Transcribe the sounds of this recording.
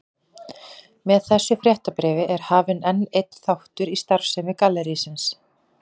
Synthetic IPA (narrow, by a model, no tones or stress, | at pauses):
mɛðθɛsːʏfɾjɛht̪apɾɛːvɪʔɛɾ̥haːvɪnɛnejt̪n̥θawht̪ʏɾist̪aɾ̥fsɛmɪkaːlːɛɾisɪns